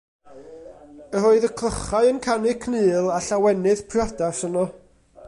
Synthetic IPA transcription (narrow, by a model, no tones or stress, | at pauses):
əroɨðəkʰlˠəχaɨənkʰanɪkʰnɨːlˠaɬawɛnɨðpʰrjɔdasənɔ